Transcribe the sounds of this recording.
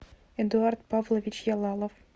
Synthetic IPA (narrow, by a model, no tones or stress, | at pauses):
ed̪uɑrt̪pɑvlˠovʲit͡ɕjɑlˠɑlˠŏf